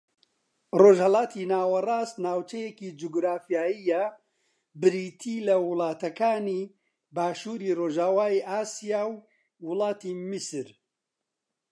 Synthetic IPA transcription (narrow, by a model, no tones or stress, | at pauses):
roːʒhɐlaːt̪ʰiːnaːwɐraːst̪naːwt͡ʃɐjekid͡ʒuɡɾaːfijaːijɐ | bɨɾiːt̪ʰiːlɐwʊlˠɑːt̪ɐkaːniː | baːʃuːɾiːroːʒaːwaːiʔaːsijaːwː | ʊlˠɑːt̪imisɨɾ